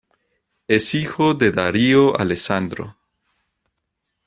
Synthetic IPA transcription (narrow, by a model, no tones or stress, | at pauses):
esixoðe̞ðaɾioʔa̰lesand̪ɾo̰